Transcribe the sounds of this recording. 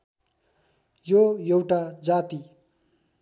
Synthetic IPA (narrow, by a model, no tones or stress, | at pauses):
jojewʈad͡zat̪i